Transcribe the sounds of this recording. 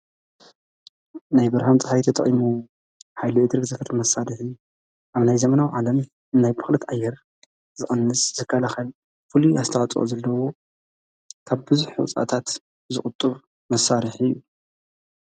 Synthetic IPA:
najbɨɾhamt͡sʼɨħajit̪ʰɐt̪ʼɐχʼimu | ħajluʔɨd̪ɨɾɡzɐfɨɾmɐsːaɾɨħiju | ʔaβnajzɐmɐnawʕalɐm | ɨnːajbɨxlɨt̪ʔajːɛɾ | zɨxʼɨnːɨszɨkʰːɐlaxɐl | fɨluazt̪ʰɐʕat͡sʼʔo̰zɐlːɐwo | kʰaβbɨzuħuw̰t͡sʼa̰t̪ʰat̪ | zɨxʼʊt̪ʼːɨβ | mɐsaɾɨħɨjːu

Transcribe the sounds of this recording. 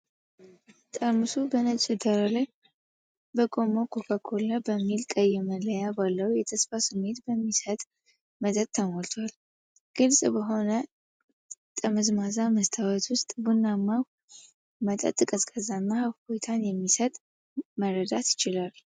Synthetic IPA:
t̪ʼəmusubənət͡ʃʼɪd̪əɾalaj | bəkʼomokʰokʰakʰolːabəmːilkʼəjɛmələjabalːəwjɛt̪ʰəsfasɨmːe̞t̪bəmːisət̪ʼ | mət̪ʼət̪̚ʰːəmolt̪ʰwal | ɡ̥ɨlsʼbəɦo̞nə | t̪ʼəməzmazaməst̪ʰawɛt̪wʊst̪ʼbunːamːaw | mət̪ʼə̰t̪ʼɨkʼəskʼəzanːahafbojt̪ʰanjɛmːisət̪ʼ | məɾəd̪at̪jɪt͡ʃɪlal

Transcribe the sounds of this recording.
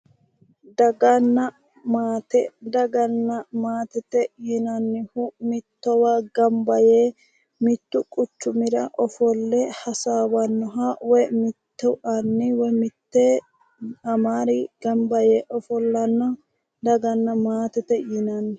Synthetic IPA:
d̪ɐɡɐnːɐ | maːt̪ɛd̪ɐɡɐnːɐmaːt̪ɛt̪ɛjinɐnːɪhʊmɪt̪ːɔwaɡɐmbɐjeː | mɪt̪ːʊkʼʊt͡ʃːʊmɪɾɐʔɔfɔlːɛhɐsaːwɐnːɔɦawɔjmɪt̪ːɛʔɐnːɪwɔmɪt̪ːe | ɐmaːɾɪɡ̥ɐmbɐjeːʔɔfɔlːɐnːɔ | d̪ɐɡɐnːɐmaːt̪ɛt̪ɛjinɐnːɪ

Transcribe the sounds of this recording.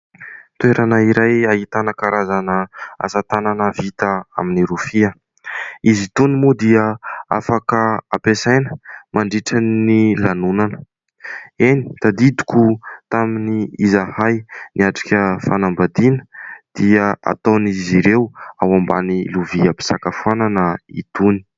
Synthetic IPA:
t̪ueɾanəiɾajaɦit̪anəkaɾazanəa̰sat̪ananəvit̪əa̰miniɾufiə | izit̪unimud̪iəa̰fakəapesajnə̥mʔaɳɖ͡ʐiʈ͡ʂannilanunanə | eni̥t̪ad̪id̪u̥kʲut̪aminiizahajniaʈ͡ʂi̥kʲəfanambad̪inə̥d̪̥iəa̰t̪oniziɾewawamba̰niluviəpi̥sakafuananəḭt̪uni̥

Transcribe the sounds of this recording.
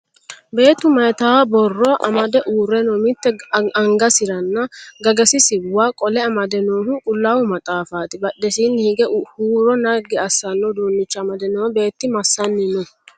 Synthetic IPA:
be̞ːt̪ːʊmɐjt̪aːwbɔrːɔʔɐ̰mɐd̪ɛʔuːɾɛnɔːmɪt̪ːɛɐŋɡɐsɪɾɐnːɐɡɐɡɐsɪsɪwːaːkʼɔlɛɐmɐd̪ɛnoːhʊkʼʊlːaːwʊmɐt̪ʼaːfaːt̪ɪbɐɗːɛsiːnːhɪɡɛhuːɾɔnɐɡɪɐsːɐnːɔd̪uːnːɪt͡ʃːɐɐmɐd̪ɛnɔːbe̞ːt̪ːɪmɐsːɐnːɪnɔ

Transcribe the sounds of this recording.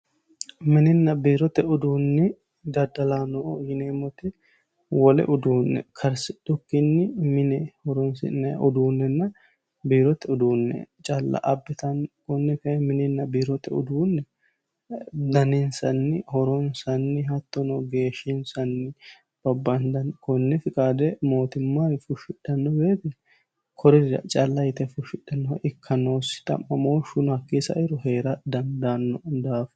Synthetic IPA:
mɪnɪnːɐbiːɾɔt̪ɛʊd̪uːnːɪ | d̪ɐd̪ɐlaːnɔjɪneːmɔt̪ɪ | wɔlɛ̰ʔʊd̪uːnːɛ̰kʰɐɾsɪᶑʊkːɪnːɪmɪnɛhɔɾɔnsɪ̰nːɐʔʊd̪uːnːɛnːɐ | biːɾɔt̪ɛʊd̪uːnːɛ̰t͡ʃʼɐlːɐ̰ʔɐbːɪt̪ɐnkɔnːɪfɛmɪnɪnːɐbiːɾɔt̪ɛʊ̰d̪uːnːɛ | d̪ɐnɪnsɐ̰nːɪhɔɾɔnsɐnːɪɦɐt̪ːɔnɔɡe̞ːʃɪnsɐnːɪ | b̥ɐbːɐnd̪ɐnkɔnːɪfɪkʼaːd̪ɛmo̞ːt̪ɪmːaːjfʊʃɪᶑɐnːɔweːt̪ɛ | kʰɔɾɪɐ̰t͡ʃʼɐlːɐjɪt̪ɛfʊʃɪᶑɐnːɔʔɪkʰːɐno̞ːsɪ̥t̪ʼɐ̰mːɐmoːʃʊnhɐkːiːsɐ̰ʔɪɾɔhe̞ːɾɐd̪ɐnd̪anːɔd̪aːf

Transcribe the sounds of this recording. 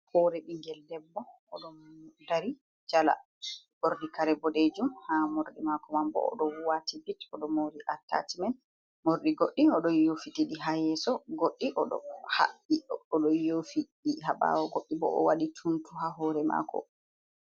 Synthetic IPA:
hɔɾɛɗiŋɡɛldɛbːɔː | ɗɔmudaɾi | d͡ʒala̰ | boɾdikaɾɛbɔded͡ʒumhamoɾɗimakɔmambɔ̰ːɗɔwuwatʰibitɔɗɔmoɾiʔatːa̰timɛn | moɾɗiɡoɗːiɔɗɔnjofitiɗiɦajɛsɔɡoɗːiʔɔɗɔ̰ha̰ɓːiɗɔɔɗɔjofiɗiɦaba̰wɔɡoɗːibɔ̰ʔɔ̰waɗitʰuntuhaɦɔɾɛma̰kʰɔ̰

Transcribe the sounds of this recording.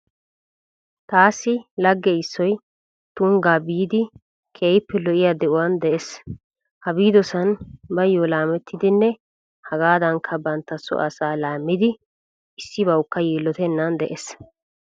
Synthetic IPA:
t̪aːsːɪlɐɡːɛɪsːɔj | t̪ʊŋɡaːbiːd̪ɪ | kʰeːjpːɛlɔʔɪjad̪ɛʔʊwɐnd̪ɛʔes | hɐbiːd̪ɔsɐnbɐjːɔlaːmɛt̪ːɪd̪ɪnːɛ | hɐɡaːd̪ɐŋkʰɐbɐnt̪ːɐsɔ̰ʔɐsaːlaːmːɪd̪ɪ | ɪsːɪbɐwkːɐjiːlːɔt̪ɛnːɐnd̪ɛʔes

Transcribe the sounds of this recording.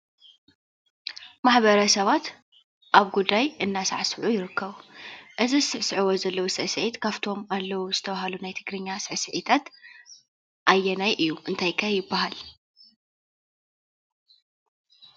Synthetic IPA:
maħbɐɾɐsɐβat̪ | ʔaβɡud̪ːajʔɨnːasa̰ʕsʕujɪɾɨkʰːɐβuʔɨzisɨʕsʕɨwozɐlːɐwusɨʕsɨʕit̪kʰaft̪ʰo̞malːɐwuzɨt̪ʰɐβaɦɐlunajt̪ʰɨɡɾɨɲːasɨʕsɨʕit̪ʰat̪ | ʔajːɛnajʔɨjːuʔɨnt̪ʰajkʰajɪbːaɦal

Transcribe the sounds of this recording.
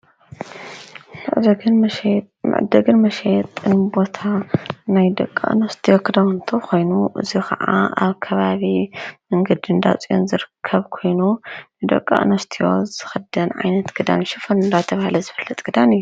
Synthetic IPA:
mɨʕd̪ | mɨ̰ʕ̰d̪ɐɡɨnmɐʃet̪ʼːɨnbo̞t̪ʰanajd̪ɐ̰kʼa̰ʔnost̪ʰijokʰɨd̪ɐwnt̪ʰokʰo̞jnuʔɨzikʰɐʕa̰a̰βkʰɐβaβimɐŋɡɐd̪ind̪a̰t͡sʼio̰nzɨɾɨkʰːɐβkʰo̞jnunɨd̪ɐ̰kʼːa̰ʔnɐst̪ʰijoz̥ɨxɐd̪ɐnʕa̰jnɐt̪ɡ̥ɨd̪a̰nʃifonɨnd̪at̪ʰɐβahalɐzɨfɨlːɐt̪ʼɡ̥ɨd̪anɨjːu

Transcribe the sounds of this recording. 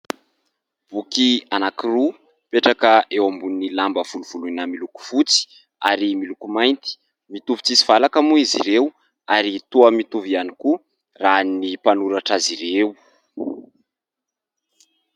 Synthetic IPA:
b̥ukianakiru | peʈ͡ʂakəʔewambunilambəv̥uluv̥ulunamiluku̥fut͡si̥ | aɾimilukumajnt̪i̥ | mit̪uvit͡sisi̥v̥alakamuiziɾew | aɾit̪uəmit̪uvianiku | ranipanuɾaʈ͡ʂaziɾew

